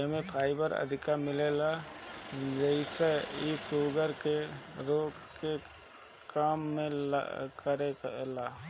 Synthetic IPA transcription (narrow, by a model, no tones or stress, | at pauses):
əmẽpʰaːɪbəɾə̰d̪ʱɪkamɪlela | d͡ʒəɪseiuːɡəɾkeɾoːkke | kaːmːḛ̃kəɾelaː